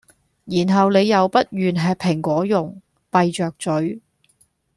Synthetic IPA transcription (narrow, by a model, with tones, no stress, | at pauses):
jiː˨˩nɦɐ˨wne˨˧jɐ˨wpɐ˥t̚jyː˨nɦɛː˨˧pʰːɪ˨˩ŋkʷɔː˨˥jʊ˨ŋ | pɐ˨jt͡ʃœː˨k̚t͡sɵ˨˥ɥ